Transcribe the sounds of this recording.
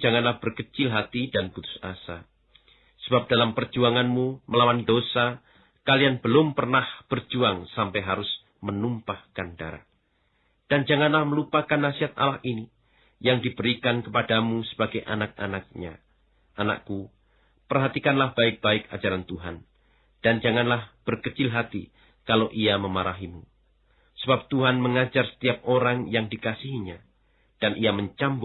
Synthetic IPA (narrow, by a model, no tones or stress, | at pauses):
d͡ʒaŋanlahb̥ərkət͡ʃɪlɦat̪idanb̥ut̪ʊ̥sa̰sa | səbap̚d̥alampərd͡ʒuaŋanmuməlawandosa | kalianbəlʊmpərnahb̥ərd͡ʒuaŋsampajɦaɾʊs | mənumpahkanda̰ɾa̰ | d̥and͡ʒaŋanlahməlupakanːasiɦat̪̚ʔa̰lahini | jaŋdibəɾikankəpadamusə̥baɡajʔa̰nak̚a̰nak̚ɲa̰ | ana̰ku | pərɦat̪ikanlahb̥aɪk̚b̥aɪk̚ad͡ʒaɾant̪uɦan | d̥and͡ʒaŋanlahb̥ərkət͡ʃɪlɦat̪i | kaloʔiaməmaɾaɦimu | səbap̚t̪uɦanməŋad͡ʒarsə̥t̪iap̚ʔoɾaŋjaŋdikasiɦiɲa | d̥anʔijaməɲt͡ʃambʊ